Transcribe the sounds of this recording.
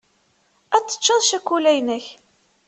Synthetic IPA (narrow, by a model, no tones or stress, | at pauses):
æt͡sːə̥t͡ʃːəðˤʃækʷːulæjnəç